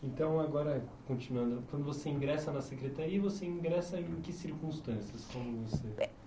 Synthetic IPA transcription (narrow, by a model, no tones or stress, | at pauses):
ẽnt̪ɐ̃w̃aɡɔɾɐkõt͡ʃinuɐ̃nd̪ʊkwɐ̃nd̪ʊvoseĩŋɡɾɛsɐnɐsekɾet̪aɾiɐvoseĩɡɾɛsɐẽkɪsiɾkũst̪ɐ̃siɐskõmʊvose